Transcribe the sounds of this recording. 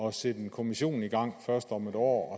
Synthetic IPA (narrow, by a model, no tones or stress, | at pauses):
ɒ̽sed̥enkʰo̝miɕo̝̰ːn̩iɡ̥ɑ̈ŋ̰fɶɐsd̥ɒ̽med̥ɒ̰ːɒ